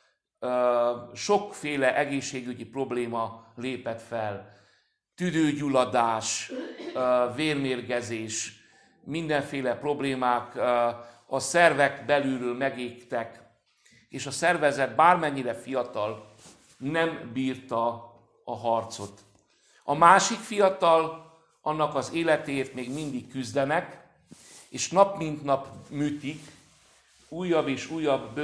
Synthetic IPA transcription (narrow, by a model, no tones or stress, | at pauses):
ʃo̞kfeːlɛʔɛɡeːʃːeːɡyɟipro̞bleːmɒleːpɛt̪fɛl | t̪yd̪øːɟulɒd̪aːʃ | veːrmeːrɡɛzeːʃ | mind̪ɛɱfeːlɛpro̞bleːmaːk | ɒsɛrvɛkbɛlyːɾøːlmɛɡeːkt̪ɛk | eːʃɒsɛrvɛzɛt̪̚baːrmɛɲːiɾɛfijɒt̪ɒl | nɛmbiːrt̪ɒ | ɒɦɒrt̪so̞t̪ | ɒmaːʃikfijɒt̪ɒl | ɒnːɒkɒzeːlɛt̪eːrt̪meːɡmind̪ikːyzd̪ɛnɛk | eːʃnɒpmint̪nɒpmyːt̪ik | uːjːɒbːeːʃuːjːɒb